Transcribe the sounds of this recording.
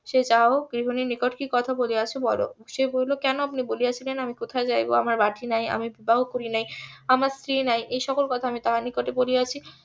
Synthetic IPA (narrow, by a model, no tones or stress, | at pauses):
ʃed͡ʑaoɡɾiɦoninikoʈkikɔt̪ʰaboliat͡ɕʰebɔlo̰ʃebojlokɛnoapniboliat͡ɕʰilenamikot̪ʰaed͡ʑajbo̰amaɾbaʈʰinaja̰mibibaɦokoɾinajamaɾst̪ɾinajʔejʃɔkolkɔt̪ʰaamit̪aɦanikoʈeboliat͡ɕʰi